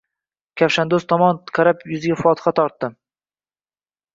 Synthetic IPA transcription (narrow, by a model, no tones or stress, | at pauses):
kʲʰafʃand̪ost̪ʰɒmɒnqʰɑɾapjʊzɪɡʲafɒt̪ʰɨ̥χat̪ʰɒɾt̪ːɪ